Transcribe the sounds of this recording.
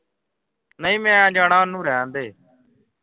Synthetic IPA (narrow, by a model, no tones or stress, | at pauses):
nəĩːmẽːãːd͡ʒãːɳãːnũːɾeãːnd̪eː